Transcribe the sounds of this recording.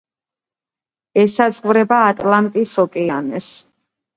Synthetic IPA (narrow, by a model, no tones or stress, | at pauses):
ɛsazʼχvɾɛbaːt̪ʼlant̪ʼisɔkʼɛanɛs